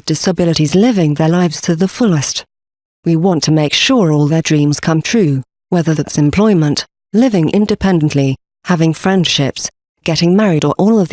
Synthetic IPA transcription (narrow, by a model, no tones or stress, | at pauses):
d̥ɨsəbɪlˠəɾizlɪvɪ̃ŋðə˞laɪvz̥tʰɨðəfʊlˠɪst | wiwɑ̃ntʰɨmeɪkʃʊɹɔlˠðə˞dɹĩmz̥kʰʌ̃mθɹʉ | wɛðə˞ðɨtsɨ̃mpʰl̥ɔɪmə̃nʔ | lɪvɪ̃ŋʔɪ̰̃ndɨpʰɛ̃nd̃n̩ʔli | hævɪ̃ŋfɹɛ̃nd̥ʃɪps | ɡ̥ɛɾɪ̃ŋmɛɹiɾə˞ʔɔlˠʌvð